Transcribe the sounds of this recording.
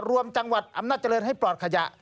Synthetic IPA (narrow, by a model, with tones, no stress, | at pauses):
ɾu˧əmt͡ɕa˧ŋwa˨˩t̪̚ʔa˧mnaː˥˩t̪̚t͡ɕa˧lɤː˧nha˥˩jplɔː˨˩t̪̚kʰa˧ja˧˩ʔ